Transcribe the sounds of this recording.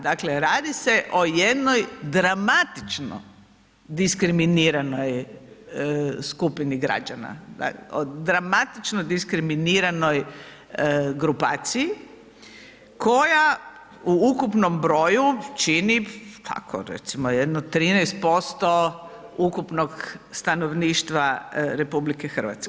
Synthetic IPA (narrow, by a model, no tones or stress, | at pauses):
d̪akleɾaːd̪ise̞ʔo̞jed̪no̞jd̪ɾamat̪it͡ʃno̰ | d̪iskɾiminiːɾano̞j | skupiniɡɾa̰d͡ʒana̰a̰od̪ɾamat̪it͡ʃnod̪iskɾiminiɾano̞j | ɡɾupaːt̪siji | kʰo̞ja | uukupno̞mbɾo̞ːjut͡ʃinit̪ʰa̰kʰo̰ɾḛt̪simojed̪not̪ːɾiːnɛjst̪̚po̞st̪o̞ukupnoɡst̪anoʋniːʃt̪ʋaɾepublikexr̩ʋa̰t̪sk